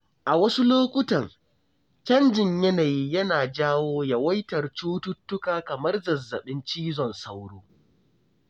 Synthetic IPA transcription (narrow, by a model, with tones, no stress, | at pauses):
ʔa˨wɐ˦su˦loː˦kʷʊ˦tɐ˨ŋ | t͡ʃɐ˦nd͡ʒɪ˨ɲjɐ˦naː˨jiː˦jɐ˦naː˨d͡ʒaː˦woː˦ja˦wɐ˦jtɐ˨rt͡ʃuː˦tʊ˦tːʊ˦kaː˨kɐ˨mɐ˦rzɐ˨zːɐ˨ɓɪ˦nt͡ʃiː˦zɔ˨nsa˦wɽuː˦